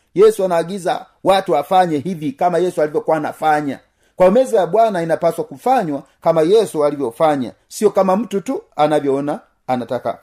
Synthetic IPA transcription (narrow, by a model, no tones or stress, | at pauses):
jɛsuanaːɡiza̰ | watuafaɲɛɦivjikamajɛsualivjɔkwana̰faɲa̰ | kwamɛzajabwanainapaswakufaɲwakamajɛsualivjɔfaɲa̰ | siɔkamam̩tutuanavjɔːnaː | nataka̰